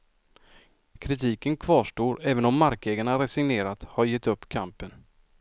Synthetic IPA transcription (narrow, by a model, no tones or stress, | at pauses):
kʰɾɪt̪ʰiːkənkʰv̥ɑːʂʈoːɾɛːvənɔmːaɾkɛːɡaɳaɾɛsɪŋneːɾat̪haɾjɛt̪ːɵpːkʰampən